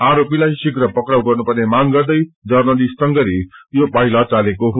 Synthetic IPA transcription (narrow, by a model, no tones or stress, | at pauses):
aɾopilajsikɾʌpʌkɾawɡʌrnupʌrnemaŋɡʌrd̪ʌjd͡zʌrnʌlissʌŋɡʌɾijobaɦilʌt͡salekoɦ